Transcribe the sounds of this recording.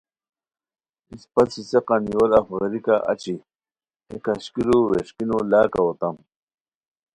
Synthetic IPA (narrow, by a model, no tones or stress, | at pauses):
ispɐsiseqaniwolafɣɐɾikaʔa̰t͡ɕi | ekaɕkiɾuɾeʂkinolaːkaot̪am